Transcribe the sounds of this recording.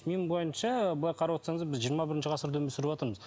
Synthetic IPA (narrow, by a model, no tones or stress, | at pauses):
mimbo̞jənʃɑblˠɑjqʰɑɾɑwot̪sɑɴəzd̪ɑbɪzʒijəɾmɑbɪɾɪnʃɪʁɑsəɾd̪wɵmesʏɾɪbɑt̪əɾməz